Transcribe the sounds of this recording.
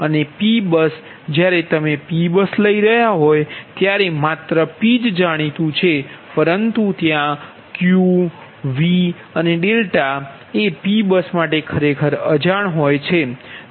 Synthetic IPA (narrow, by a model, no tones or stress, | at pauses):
ənepibəs | d͡ʒjaɾet̪əmepibəsləiɾəɦjaɦojt̪jaɾemat̪ɾəpid͡ʒd͡ʒaɽ̃it̪ũt͡ʃʰepəɾənt̪ũt̪jã | kju | ʋi | əneɖelʈa | epibəsmaʈekʰəɾekʰəɾəd͡ʒaɳ̃ɦojt͡ʃʰe